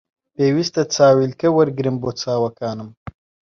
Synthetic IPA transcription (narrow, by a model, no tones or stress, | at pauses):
peːwist̪ɐt͡saːwilkewɐɾɡɾimbot͡sʰaːwɐkaːnɨm